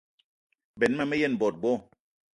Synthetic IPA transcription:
bɛ˨n˦ma˦˨me˦je˦˨n˨bɔ˨t̚ɡ͡bɔ˦˨

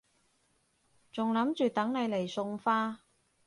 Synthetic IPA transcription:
t͡sʊ˨ŋlɐ˨˥mt͡ʃyː˨t̪ɐ˨˥ŋne˨˧jle˨˩jsʊ˨ŋfaː˥

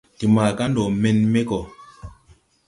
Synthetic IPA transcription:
ti˨maː˨ka˦ndo˨me˨nme˦kɔ˨

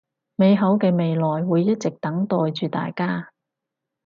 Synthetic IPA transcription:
me˨˧jɦɐ˨˥wkɛː˧me˨˧jlɔː˨jwuː˨˧jːɐ˥t̚t͡sɪ˨k̚t̪ɐ˨˥ŋt̪ɔː˨jt͡ʃyː˨t̪a̰ː˨jkaː˥

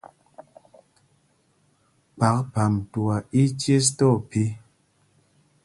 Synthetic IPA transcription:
pa˨˦k̚pa˨mtu˨a˨i˦t͡ʃje˦s̬tɔ˦˨pi˦

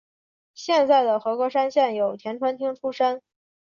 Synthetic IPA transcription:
ɕjɛ˥˧nt͡sa˥˩ɪd̪ə˩xɤ˧˥kwɔ˧˥ʂa˥nɕjɛ˥˩njo˨˩ʊt̪ʰjɛ˧˥nʈ͡ʂʰwa˥nt̪ʰi˥ŋʈ͡ʂʰu˥ʂə˥n

